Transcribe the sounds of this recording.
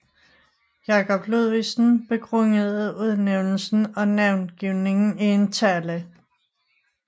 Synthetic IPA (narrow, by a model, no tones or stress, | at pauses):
jɑ̈kʰɒ̽b̥luðˠʋisn̩b̥e̝kʰʁɔŋəð̩ˠuðˠneʊnl̩sn̩ɒ̽næʊnɡ̥iʊ̰ne̝ŋn̩ient͡sʰæɐlə